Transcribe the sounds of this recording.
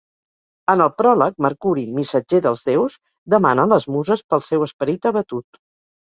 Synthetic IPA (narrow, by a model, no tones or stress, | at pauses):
ənəlˠpɾɔlək̚məɾkuɾimisəd͡ʒeðəlˠzðewz | d̪əma̰nələzmuzəspəlˠsɛwəspəɾit̪əβət̪ut̪